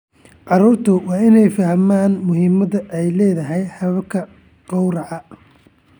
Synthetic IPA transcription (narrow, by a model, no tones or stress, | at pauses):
ʕɑɾuːrt̪ʰʊwɑːɪnɛjfɐhmaːnmʊɦiːmɐðɐʔɛjlɛːðɐɦɛjħɑðɐkʰɐ | qɔwrɑʕɑ